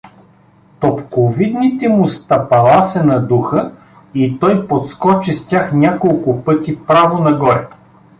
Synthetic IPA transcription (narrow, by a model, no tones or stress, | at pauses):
t̪opkovid̪nit̪ɛmʊst̪ɐpɐlˠasɛnɐd̪uxə | it̪ɔjpot̪skɔt͡ʃist̪ʲjaxnʲakolˠkʊpɤt̪ʲipɾavonɐɡɔɾɛ